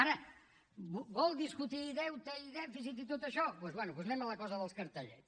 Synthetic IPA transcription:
aɾə | bbɔlˠd̪iskut̪iːðɛwt̪əiðɛfisit̪̬it̪ot̪əʃɔpwezβwɛnuβuznɛmələkɔzəðəlˠskəɾt̪əʎɛ̰

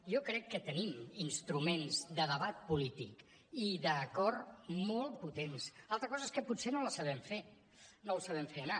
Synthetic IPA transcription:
ʒɔkɾɛkːət̪əniminst̪ɾumenzðəðəβat̪̚pulit̪ḭk | iðəkɔrmɔlˠput̪ensalˠt̪ɾəkɔzəeskəpusenoləsəβɛmfe | nolsəβɛmfeəna

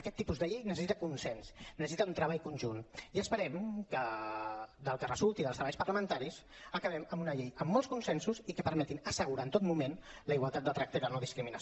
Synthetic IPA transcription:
əkɛt̪ːipuzðəʎejnəs̬əsit̪əkunsɛnsnəsəsit̪əunt̪ɾəβ̞aʎkunʲʒuniəspəɾɛmkə | d̪əlˠkərəzulˠt̪iðəlˠst̪ɾəβaʎspərləmənt̪aɾis | əkəβɛməmbunəʎejəmːɔlˠskunsɛnsuzikəpəɾmɛt̪inəsəɣuɾaːnt̪ot̪mumenləiɣwalˠt̪at̪̚ət̪ɾak̚t̪əilənɔðiskɾiminəs

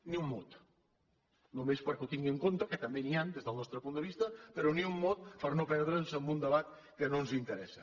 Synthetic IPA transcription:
niumːot̪ | nomespəɾkut̪iŋɡeŋkont̪aket̪ambeniand̪ezðəlˠnɔst̪ɾəpunt̪əβist̪ɐpeɾoniumːot̪̚pəɾnopɛɾðɾənsəmbund̪əβat̪̚ | kənõnzint̪əɾɛsɐ

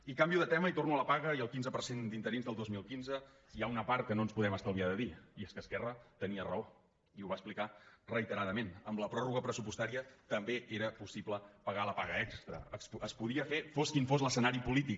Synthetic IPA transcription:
ikambiuðət̪ɛməit̪ornuələpaɣəiəlˠkinzəpəɾsend̪int̪əɾinzðəlˠd̪ozmilˠkinzə | iaunəpaɾt̪̚kənonspuðɛməst̪aəlˠβiaðəðiieskəskɛrət̪əniərəo | iuβaəsplikarəit̪əɾaðəmenəmləpɾɔruɣəpɾəsupust̪aɾiət̪əmbeʔeɾəpusipləpəɣaləpaɣəɛkst̪ɾə̰səspuðiəfefoskiɱfozləsənaɾipulit̪ik

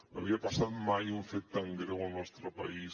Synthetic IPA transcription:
aβiapasaðmajuɱfet̪t̪ːaŋɡɾewanɔst̪ɾopa̰is

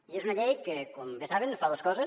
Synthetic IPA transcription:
iesunaʎejkekomðesaβenfaðoskɔsɐ

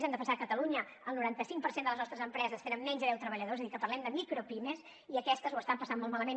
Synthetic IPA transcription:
zɛmd̪əfənsakət̪əluɲə | əlˠnuɾant̪əsiŋkpəɾsend̪əlˠəznɔst̪ɾəzəmpɾɛzəseɾəmnɛnzəðɛwt̪ɾəβəʎəðoɛezəðikəpərlɛmd̪əmikɾopimes | iəkɛst̪əzwəst̪ampəsanmolˠmaləmen

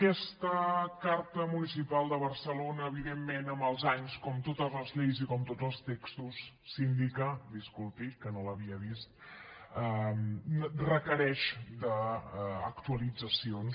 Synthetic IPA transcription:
kɛst̪əkaɾt̪əmunisipalˠd̪əβərsəlonəːβiðemːenəməlˠzaɲskɔmt̪ot̪əzləzʎejzikɔmt̪odd͡zəlˠst̪ekst̪usː | ind̪ikəd̪iskulˠp̪ikənoləβiəβist̪̚ə | rəkəɾɛʃd̪ə̰ː | kt̪uəlid͡zəsion

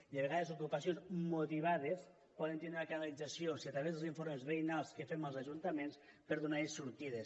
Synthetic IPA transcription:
ieβ̞eɣaðezukupasionzmut̪iβ̞aðes | pɔðent̪enɾakanalid͡zasiosiat̪ɾaβezðlziɱfoɾmezβejnalˠskefeməlˠzaʒunt̪amenspeɾðunaɾesuɾt̪iðes

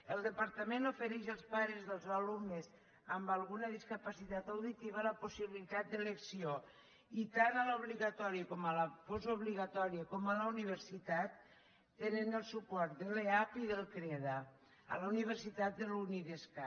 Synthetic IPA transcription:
elˠd̪epaɾt̪amenofeɾɛʃalˠspaɾezðəlˠzalumnez | ambalˠɣunað̞iskapasit̪at̪awðit̪iβ̞alaposiβilit̪at̪̚d̪əleksio | it̪analauβ̞liɣat̪ɔɾiəkɔmalafozoβ̞liɣat̪ɔɾiakɔmalauniβ̞eɾsit̪at̪ː | enenəlˠsupɔɾt̪̚d̪eleapiðəlˠkɾɛða | a̰launiβ̞eɾsit̪at̪̚d̪eluniðeska

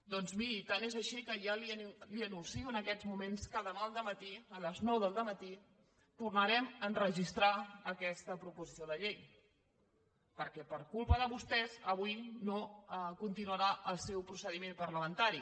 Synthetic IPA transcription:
d̪ɔnzmiɾit̪anezəʃikəjaliəliənunsiuənəkɛzmumenskaðəmaəlˠd̪əmət̪iələznɔwðəlˠd̪əmət̪i | t̪urnəɾɛmənrəʒist̪ɾaəkɛst̪əpɾupuzisioðəʎej | pəɾkɛpəɾkulˠpəðəβust̪ɛzəβujnoəkunt̪inuəɾaʔəlˠsɛwpɾusəðimempəɾləmənt̪aɾi

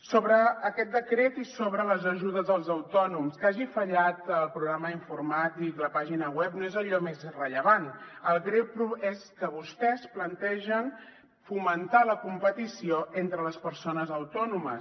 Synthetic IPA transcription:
soβɾəːkɛt̪̚d̪əkɾet̪isoβɾələzəʒuðəzðəlˠzəwt̪ɔnumskaʒifəʎat̪əlˠpɾuɣɾaməiɱfurmat̪̚d̪ikləpaʒinəwɛp̚noezəʎɔmezrəʎəβ̞anəlˠɣɾewpɾueskəβust̪ɛsplənt̪ɛʒən | fumənt̪aləkumpət̪isioent̪ɾələspəɾsonəzəwt̪ɔnumə̰s

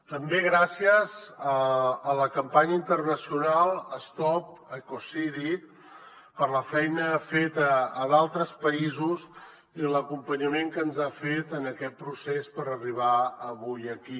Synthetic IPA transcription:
t̪əmbeɣɾasiəzəːləkəmpaɲəint̪ərnəsiunalˠəst̪ɔp̚əkosiði | pəɾləfɛjnəfet̪əːðalˠt̪ɾəspəizuz | iləkumpəɲəmeŋkənzafet̪ənəkɛt̪̚pɾusespəɾəriβ̞aəβujəki

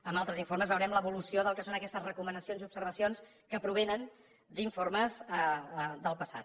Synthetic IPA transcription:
əmbalˠt̪ɾəziɱfoɾməzβəwɾɛmləβulusioðəlˠkəsonəkɛst̪əzrəkumənəsionziupsəɾβ̞əsions | kəpɾuβ̞enən | d̪iɱforməzəd̪əlˠpəsa̰t̪

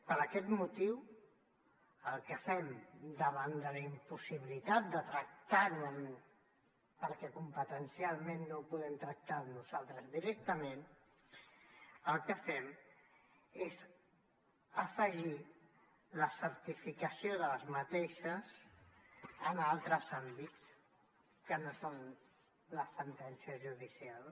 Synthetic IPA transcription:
pəɾəkɛt̪mut̪iw | əlˠkəfɛmd̪əβand̪ələimpusiβilit̪at̪̚d̪ət̪ɾək̚t̪anun | pəɾkɛkumpət̪ənsialˠmenːopuðɛmt̪ɾək̚t̪anuzalˠt̪ɾəzðiɾɛk̚t̪əmen | əlˠkəfɛm | ez | əfəʒi | ləsəɾt̪ifikəsioðələzmət̪eʃəs | ənalˠt̪ɾəzambitt͡s | kənoson | ləsːənt̪ɛnsiəzʒuðisialˠ

